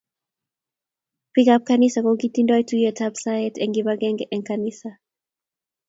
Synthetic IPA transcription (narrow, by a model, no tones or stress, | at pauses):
pikap̚kanisakoɡitindɔjtujɛtʰapsaɛtɛŋɡibaɡɛŋɡɛʔɛŋkanisa